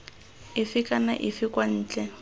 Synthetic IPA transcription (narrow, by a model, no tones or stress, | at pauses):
ɪfɪkʼana̰ʔɪfɪkwan̩ːt͡ɬʼɛ